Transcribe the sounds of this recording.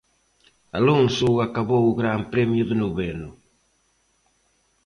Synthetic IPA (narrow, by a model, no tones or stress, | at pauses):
a̰loŋsuakaβouɣɾampɾɛmjuðunuβɛnu